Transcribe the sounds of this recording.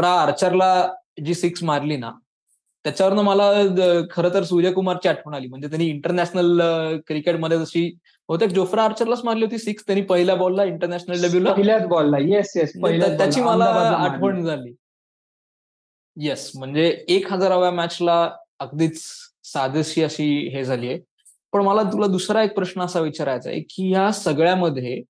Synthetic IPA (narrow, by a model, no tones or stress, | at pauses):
ɾaːɾt͡ɕəɾla | d͡ʑiːsiksmaɾliːna̰ | t̪jat͡ɕaʋəɾnəməlakʰəɾət̪əɾsuɾjakumaɾt͡ɕiːaʈʰʋəɳ̃aliːm̤əɳd͡zet̪̬anːiːɳʈəɾnæɕnəlkɾikeʈməd̪ʱːjed͡zəɕiː | ɦot̪ek̚d͡zofɾaːɾt͡ɕəɾlat͡smaɾliːɦot̪iːsikst̪janiːpəɦiljabolːaiɳʈəɾnæɕnəllebʱjilaəɦiljat͡sbolːajesjesmət̪jat͡ɕiːməlaːʈʰʋəɳd͡zʱaliː | jesm̤əɳd͡zeːkɦəd͡zaɾəʋjamæt͡ɕla | ək̚d̪iːt͡ssad̪əɕiːəɕiːɦed͡zʱaliːje | pəɳməlat̪ulad̪usɾaek̚pɾəɕnəːsaʋit͡ɕaɾajt͡sa̰jḛkiːjasəɡɭjaməd̪ʱːje